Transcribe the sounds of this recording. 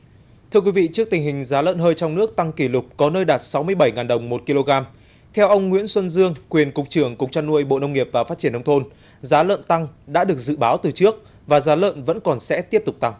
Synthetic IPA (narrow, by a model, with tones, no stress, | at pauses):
t̪ʰɨ˧əkwi˨˦vḭ˧˨t͡ɕɨ˦˥ək̚t̪ï˨˩ŋhï˨˩ŋ̟zaː˨˦lə̰ː˧˨nɦəː˧jt͡ɕɔ˧wŋ͡mnɨ˦˥ək̚t̪a˧ŋki˧˩lʊ˨˩k͡p̚kɔ˨˦nəː˧jɗaː˨˩t̚sa˨˦wmɨ˧əjɓə˧˩jŋaː˨˩nɗə˨˩wŋ͡mmo˨˩t̚ki˧lo˧ɣaː˧m | t̪ʰɛ˧wʔə˧wŋ͡mŋwḭ˧˥ənswə˧nzɨ˧əŋkwi˨˩ənkʊ˨˩k͡p̚t͡ɕɨ˧˩əŋkʊ˨˩k͡p̚t͡ɕa˧nːu˧əjɓo̰˧˨nə˧wŋ͡mŋi˨˩əp̚vaː˨˩faː˦˥t̚t͡ɕi˧˩ənə˧wŋ͡mt̪ʰo˧n | zaː˨˦lə̰˧˨nt̪a˧ŋɗa̰ː˧˥ɗɨ˨˩ək̚zɨ̰˧˨ɓaː˨˦wt̪ɨ˨˩t͡ɕɨ˦˥ək̚ | vaː˨˩zaː˨˦lə̰ː˧˨nvə̰˧˥nkɔ˨˩nsɛ̰˧˥t̪i˦˥əp̚t̪ʊ˨˩k͡p̚t̪a˧ŋ